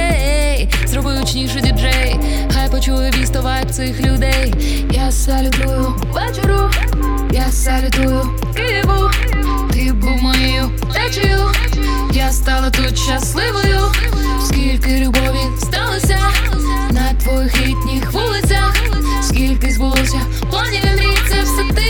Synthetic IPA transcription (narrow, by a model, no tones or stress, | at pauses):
eej | zrɔbɪwt͡ʃnʲiʃʊdʲid͡ʒɛj | xajpɔt͡ʃuʋɔjʊbʲist̪ɔʋajʊt̪sɪxlʲʊd̪ɛj | jasalʲʊd̪ɔjʊ | ʋɛt͡ʃeɾʊ | jasalʲʊd̪ujʊ | t̪ɪɪbʊ | t̪ɪbʊwmɔjejʊ | t̪ɛt͡ʃɔjʊ | jast̪ɑlˠɐt̪ut̪ʃːɐslˠɪʋɔjʊ | skʲilʲkɪlʲʊbɔʋʲist̪ɑlˠɐsʲɐ | nɐt̪ʋɔjixlʲit̪ʲnʲixʋɔlˠɪsʲɐ | skʲilʲkɪzbʊlˠɔsʲɐ | pɔnʲiʋɐmɾʲisʲɐwsɪt̪ɪ